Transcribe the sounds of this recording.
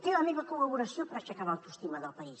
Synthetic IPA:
t̪eləmeβəkulɐβuɾəsjopəɾat͡ʃəkaβawt̪ust̪iməd̪əlˠpɐis

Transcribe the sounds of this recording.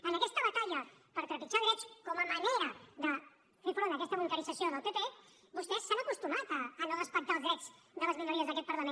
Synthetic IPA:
ənakɛst̪əβ̞at̪aʎapəɾt̪ɾəpit͡ʃaðɾet͡ʃkoməmaneɾəðə | fifɾõnt̪akɛst̪əβulk̪aɾisasijoðəlpet̪e | βust̪esːanakust̪umat̪aːnoɣəspak̚t̪alzðɾɛd͡z | d̪ələzβiləɾiəzðakɛt̪pəɾlamẽn

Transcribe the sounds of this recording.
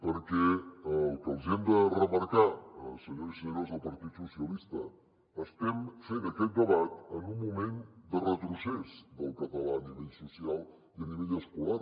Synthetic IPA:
pəɾkɛəlˠkəlˠzɛmd̪ərəməɾkaəsəɲosəɲɾozəlˠpəɾt̪it̪susiəlist̪ə | əst̪ɛmfenəkɛt̪̚d̪əβat̪ənummːumend̪ərət̪ɾusɛzd̪əlˠkət̪əlaniβɛʎsusialˠ | iəniβɛʎəskula

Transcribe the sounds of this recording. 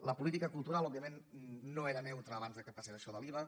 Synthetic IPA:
ləpulit̪ikəkulˠt̪uɾalˠɔβbiəmenːoeɾənɛwt̪ɾəːβanzðəkəpaseɾəʃɔðəliβə

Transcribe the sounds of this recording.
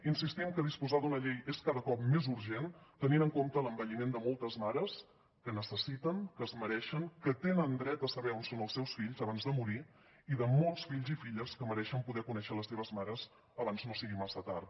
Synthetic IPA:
insist̪imkəðispuzad̪unəʎejeskaðəkɔpmezuɾʒent̪əninəŋkomt̪ələmbəʎimend̪əmolˠt̪əzmaɾəs | kənəsəsit̪əŋkəzməɾɛʃəŋkət̪enənd̪ɾɛt̪əsəβɛonsonəlˠsːɛwsfiʎzəβanzðəmuɾi | iðəmolˠsfiʎzifiʎəskəməɾɛʃəmpuðɛkunɛʃələsːeβəzmaɾəz | əβanznosiɣimasət̪aɾt̪

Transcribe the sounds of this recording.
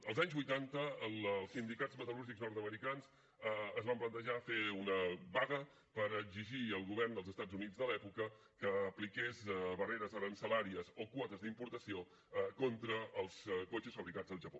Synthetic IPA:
əlˠzaɲzβujt̪ant̪əːllˠsind̪ikad͡zmət̪əluɾʒikznɔɾt̪əməɾikanz | əzβamplənt̪əʒafeunəβaɣə | pəɾəɡziʒiəlˠɣuβɛrnd̪əlˠzəst̪ad͡zunid͡zðəlɛpukə | kəːplikezβəreɾəzəɾənsəlaɾiəzokwɔt̪əzd̪impuɾt̪əsio | kont̪ɾəːlˠskot͡ʃəsfəβɾikḁd͡zəlˠʒəpo

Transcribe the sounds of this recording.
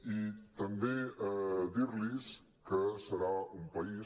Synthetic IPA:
it̪əmbe | d̪iɾlis | kəsəɾaumpəi

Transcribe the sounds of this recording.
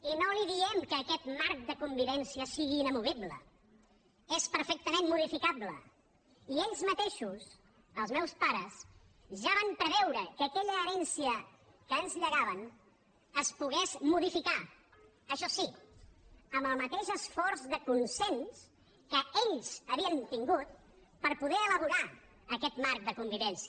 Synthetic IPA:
inoliðiɛmkəːkɛt̪maɾk̚d̪əkumbiβɛnsiəsiɣiːnəmuβiblə̰ | espəɾfɛk̚t̪əmenmuð̞ifikablə̰ | ieʎzmət̪eʃus | əlˠzmɛwspaɾəs | ʒaβampɾəβɛwɾəkəːkɛʎəːɾɛnsiə | kəənzʎəɣaβən | əspuɣɛzmuðifika | əʃɔsi | əməlˠmət̪eʃəsfɔɾzðəkunsens | kəeʎzəβiənt̪iŋɡut̪̚ | pəɾpuðɛələβ̞uɾa | əkɛt̪mark̚d̪əkumbiβɛnsi

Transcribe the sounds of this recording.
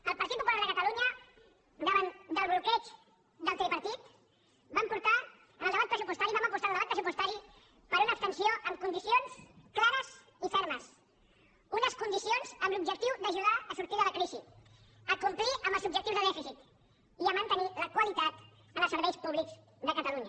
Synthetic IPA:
əlˠpəɾt̪it̪pupulaɾðəkət̪əluɲə | d̪əβand̪əlˠβlukɾɛt͡ʃ | d̪əlˠt̪ɛlipəɾt̪it̪ | bampuɾt̪a | əlˠəβat̪̚pɾəsupust̪aɾiβaməpust̪alˠdəβat̪̚pɾəsupust̪aɾi | pəɾunəːpst̪ənsioʔəmkund̪isionsklaɾəz | ifɛɾməs | unəskund̪isionzəmlub̚ʒək̚t̪iwd̪əʒuðaəsuɾt̪iðələkɾizi | əkumpliʔəmbəlˠzubʒək̚t̪iwzðəðɛfisit̪ | iəmənt̪əniləkwəlit̪at̪ | ənsəɾβɛjspuβlikz | ðəkət̪əluɲə

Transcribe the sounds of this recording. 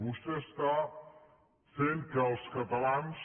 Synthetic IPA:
ust̪est̪a | fenkəlˠskət̪əlans

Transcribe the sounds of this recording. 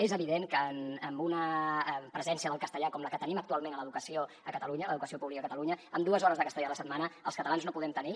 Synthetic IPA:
ezəβiðeŋkənəmbunəpɾəzɛnsiəðəlˠkəst̪əʎakɔmləkət̪əniməkt̪ualˠmenələðukəsio | əkət̪əluɲələðukəsiopuβlikəkət̪əluɲəəmd̪uəzɔɾəzðəkəst̪əʎaələsət̪manəəlˠskət̪əlanznopuðɛmt̪əni

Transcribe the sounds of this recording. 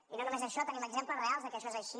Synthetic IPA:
inonumezəʃɔt̪əniməɡzempləzrealˠzðəkɛəʃɔezəʃi

